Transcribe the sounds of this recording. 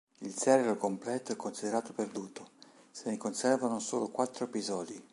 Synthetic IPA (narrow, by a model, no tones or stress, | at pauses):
ilsɛrelokomplɛːt̪oɛkːonsid̪eɾaːt̪operd̪uːt̪o | senekonsɛrvanoso̰ːlokwat̪ːɾoepizɔːd̪i